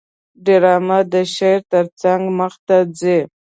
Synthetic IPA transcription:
ɖɪɾɑmad̪əʃeɾt̪əɾt͡saŋɡməxt̪ad͡ze

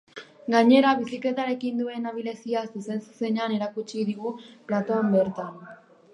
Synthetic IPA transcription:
ɡaɲe̞ɾaβisikle̞t̪aɾe̞kind̪ue̞naβile̞siasuse̞nsu̥se̞neane̞ɾakut͡ʃiðiɣuplat̪oambe̞ɾt̪an

